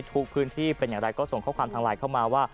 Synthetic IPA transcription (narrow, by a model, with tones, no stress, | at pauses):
t̪ʰuː˧˥k̚pʰɯː˦˥nt̪ʰiː˥˩pe˧njaː˨˩da˧jkɔː˥˩so˨˩ŋkʰɔː˦˥˩kʰwaː˧mt̪ʰaː˧laː˧jkʰa˥˩wmaː˧waː˥˩